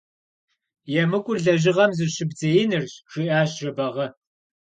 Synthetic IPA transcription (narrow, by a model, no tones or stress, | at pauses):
jɛmɨkʷʼʊrɮɐʑɪʁɐmzɨɕɪbd͡zɐjɪnɨrɕʂɨʔaːɕʒɐbɐʁɐ